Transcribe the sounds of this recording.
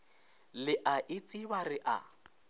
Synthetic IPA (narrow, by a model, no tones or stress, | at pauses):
lɪʔaʔɪt͡sʼibarɪʔa̰